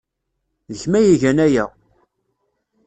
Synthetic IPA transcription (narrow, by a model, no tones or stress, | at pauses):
ðəçmæjiʝænæjæ